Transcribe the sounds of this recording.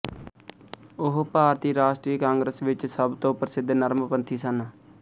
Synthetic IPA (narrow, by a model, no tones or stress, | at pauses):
ʊɦpaːɾt̪iːɾaːʃʈɾiːkãːŋɡɾəsʋɪt͡ʃsəbt̪õːpəɾsɪd̪nəɾməpənt̪ʰiːsən